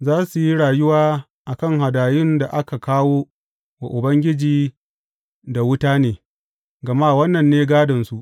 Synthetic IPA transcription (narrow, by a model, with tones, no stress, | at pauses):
zaː˦su˨ji˦ɽaː˨jʊ˦waː˦ | ʔa˨kɐ˦˨ŋɦa˨daː˨jɪ˦nda˨ʔa˦ka˨kaː˦woː˦ | wa̰˨ʔʊ˨bɐ˦ŋɡʲɪ˦d͡ʒiː˨ | da˨wʊ˦taː˦neː˨ | ɡɐ˨maː˦˨wɐ˦nːɐ˨nːeː˦ɡaː˦dɐ˨nsu˨ʔ